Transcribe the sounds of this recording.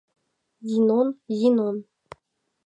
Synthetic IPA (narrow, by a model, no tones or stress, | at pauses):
zinonjinon